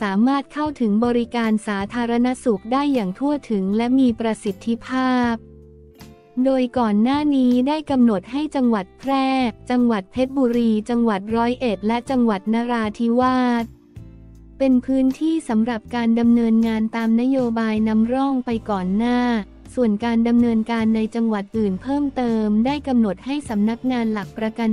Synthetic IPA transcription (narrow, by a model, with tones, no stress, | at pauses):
saː˩˦maː˥˩t̪̚kʰa˥˩wt̪ʰɯ˩˦ŋbɔː˧ɾi˦˥kaː˧nsaː˩˦t̪ʰaː˧ɾa˧na˦˥su˨˩k̚daː˥˩jːaː˨˩ŋt̪ʰu˥˩ɐt̪ʰɯ˩˦ŋlɛ˦˥ʔmiː˧pɾa˧si˨˩t̪ʰːi˦˥pʰaː˥˩p̚ | doː˧jkɔː˨˩nːaː˥˩niː˦˥daː˥˩jka˧mno˨˩t̪̚ha˥˩jt͡ɕa˧ŋwa˨˩t̪̚pʰɾɛː˥˩t͡ɕa˧ŋwa˨˩t̪̚pʰe˦˥t̪̚buː˧ɾiː˧t͡ɕa˧ŋwa˨˩t̪̚ɾɔː˦˥jʔe˨˩t̪̚lɛ˦˥t͡ɕa˧ŋwa˨˩t̪̚naː˦˥ɾaː˧t̪ʰi˦˥waː˥˩t̪̚ | pe˧npʰɯː˦˥nt̪ʰiː˥˩sa˩˦mɾa˨˩p̚kaː˧nda˧mnɤː˧nŋaː˧nt̪aː˧mna˦˥joː˧baː˧jna˦˥mɾɔ˥˩ŋpa˧jkɔː˨˩nːaː˥˩ | su˨˩ənkaː˧nda˧mnɤː˧nkaː˧nːa˧jt͡ɕa˧ŋwa˨˩t̪̚ʔɯː˨˩npʰɤː˥˩mt̪ɤː˧mdaː˥˩jka˧mno˨˩t̪̚ha˥˩jsa˩˦mna˦˥k̚ŋaː˧nla˨˩k̚pɾa˧ka˧n